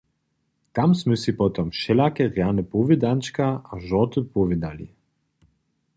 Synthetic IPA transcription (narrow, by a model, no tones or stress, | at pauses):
t̪amsməsipɔt̪ɔmʃɛlakɛʁjanəpovid̪ant͡ʃkaaʒɔt̪əpɔvid̪alḭ